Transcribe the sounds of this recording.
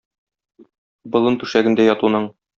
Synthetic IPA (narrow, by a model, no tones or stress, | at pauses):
bɤ̆lˠɤnt̪ʉʃæɡɘ̆nd̪æjɒt̪unɤɴ